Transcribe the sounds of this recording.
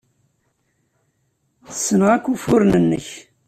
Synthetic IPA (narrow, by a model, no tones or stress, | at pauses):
θəsːənʁækʷːufʊɾnənːə̰ç